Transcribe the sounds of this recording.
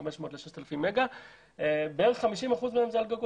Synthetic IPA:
ameʃmo̞ːtleʃeʃt̪elafimːeɡa | ebeeʁeχχamiʃimaχuzmeemzealɡaɡu

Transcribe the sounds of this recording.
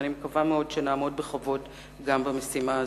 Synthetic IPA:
nimekavameo̞dʃenaːmo̞d̚beχovo̞t | ɡambamesima

